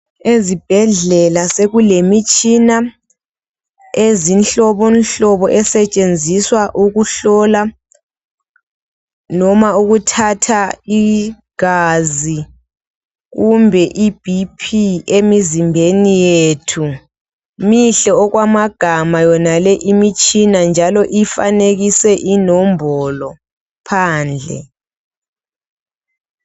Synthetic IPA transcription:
ezib̥ʱɛɮɛlaseɣulemit͡ʃʼina | ezinɬɔβɔnɬɔβɔʔɛsɛt͡ʃʼend͡zʱiswaʔuɣuɬɔla | nɔmauɣutʰatʰai | ɡ̥azi | ɣumbʱɛʔib̥ʱipʰiemizimbʱenijeːtʰu | miɬɛɔɣwamaɡ̥ʱamajɔnalɛʔimit͡ʃʼinand͡ʒʱalɔʔifa̰neɣisɛʔinɔmbʱɔlɔ | pʰaːnd͡ɮʱɛ̰

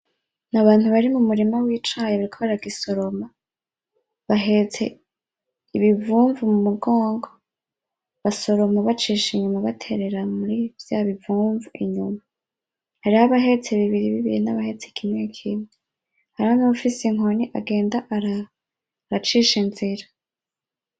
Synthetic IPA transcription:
naβaːn̥huβaɾimumuɾimawiːt͡ʃajeβaɾikʰoβaɾaɡiso̞ɾo̞ma | βaɦe̞t͡se̞̰ | iβivuːɱvumumuɡo̞ːŋɡo | βaso̞ɾo̞maβat͡ʃiʃiɲumaβatʰe̞ɾe̞ɾamuɾivjaβivuːɱvuʔiɲuma | haɾihaβaɦe̞t͡seβiβiɾiβiβiɾinaβahe̞t͡sekʰimŋekʰinŋe | haɾihonuβufisiŋoniʔaɡe̞ːndaʔɾa | ɾat͡ʃiʃinziɾa

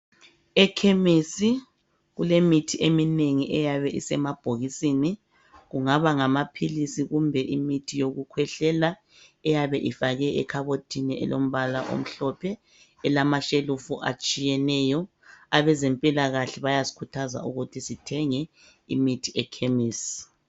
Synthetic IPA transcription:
ɛkʰemisi | ɣulemitʰiʔemineŋiʔɛjaβɛʔisɛmab̥ʱoɣisini | ɣuŋaβaŋamapʰilisiɣumbʱɛʔimitʰijoɣukʰwɛɬɛla | ɛjaβɛʔifaɣɛʔɛkʰaβotʰiniɛ̰lom̩βalaʔo̰m̩ɬɔpʰɛː | lamaʃelufuʔa̰t͡ʃʼijɛnɛjɔ | aβɛzɛmpʼilaɣaɬɛβajazi̥kʰutʰaza̰uɣutʰisitʰɛŋɛ | ḭmitʰiɛkʰemiːsi̥

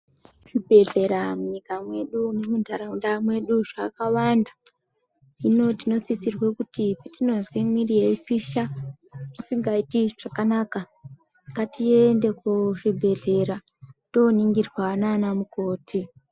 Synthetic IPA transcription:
ʐ̥ibʱe̞ɮe̞ɾamuɲikamwe̞ɗunemundʱaɾaundamwe̞ɗuʐakawanda | ino̞tino̞sisirwekutipatino̞nzwemwirijefiʃa | musiŋɡaitiʐ̥akanaːka | katiende̞kuʐibʱe̞ɮe̞ɾa | to̞niŋɡirwananamukoːtʰi

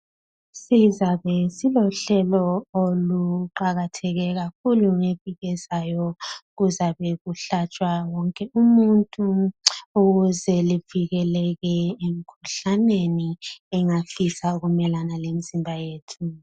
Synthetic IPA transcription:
sizaβɛsilɔɬɛlɔoluǃaɣatʰɛɣɛɣak̚ʰuluŋeviɣɛz̥ajɔɣuzaβɛɣuɬat͡ʃʼwawɔŋkʼɛumuntʼuuɣuzɛliviɣɛlɛɣɛem̩kʰuɬaneniɛŋafisauɣumɛlanalemizimbʱajeːtʰu

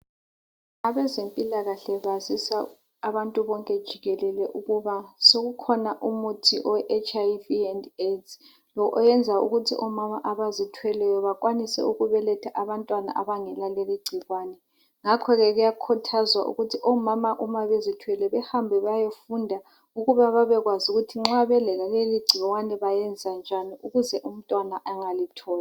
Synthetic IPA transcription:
aβɛzempʼilaɣaɬɛβazisaː | βantʼuβɔŋkʼɛd̥ʒ̥ʱiɣɛlɛlɛʔuɣuβasoɣukʰɔnaʔumutʰiʔɔɛʔet͡ʃʰʼaviɛndet | lɔʔɔjɛnd͡zʱaṵɣutʰiʔɔmamaʔaβazitʰwɛlɛjɔβakʼwanisɛ̰uɣuβɛlɛtʰaʔaβantʼwana̰ʔaβaŋɛlaleliɡ͡ǀʱiɣwanɛ | ŋakʰɔɣɛɣujakʰutʰazwa̰ʔṵɣutʰiʔɔmamaʔumaβezitʰwɛlɛβɛhambʱɛβaajofundʱa | uɣuβaβaβɛɣwazuɣutʰiŋ͡ǁaβɛlɛlaleliɡ͡ǀʱiɣwanɛβajɛnd͡zʱand͡ʒʱaniuɣuzɛʔum̩tʼwanaʔaŋalitʰɔːla

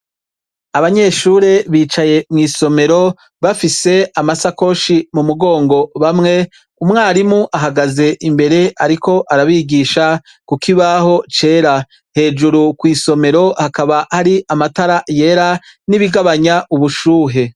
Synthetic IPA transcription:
aβaɲe̞ːʃuɾeβiːt͡ʃaje̞mŋiːso̞me̞ɾo̞ | βafise̞amasako̞ʃimumuɡo̞ːŋɡo̞βamŋe̞ | umŋaːɾimuʔaɦaɡaze̞ʔimbe̞ɾe̞ʔaɾikʰo̞ʔaɾaβiɡiːʃa | kukiβaɦo̞t͡ʃe̞ːɾa | he̞ːd͡ʒuɾukwiːso̞me̞ɾo̞hakaβahaɾiʔamataɾaje̞ɾaniβiɡaβaɲaʔuβuʃuːɦe̞

